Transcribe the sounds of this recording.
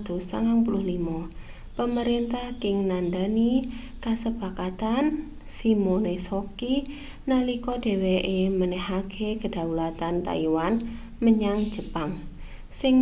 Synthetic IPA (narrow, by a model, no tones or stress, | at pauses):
d̪̥o̤sa̰ŋaŋpulʊhlima | pəməɾent̪ahkɪŋnandanikasəpakat̪an | simonesoki | nalikɔɖ̥e̤weʔemənɛhaɡ̥ʰeɡə̤d̥a̤ulat̪ant̪a̰iwan | məɲaŋd̥ʒ̥ə̤paŋ | sɪŋ